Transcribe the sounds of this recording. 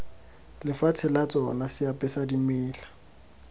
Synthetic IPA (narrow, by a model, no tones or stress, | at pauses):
lɪfat͡sʰɪlat͡sʼɔnasɪapʼɛsadimɪːla